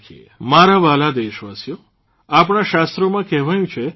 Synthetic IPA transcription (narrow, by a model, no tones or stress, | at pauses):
kʰiḛ | maɾaʋalad̪eʃʋasjo | apɳ̃aʃast̪ɾomãkɛɦʋajũt͡ʃʰe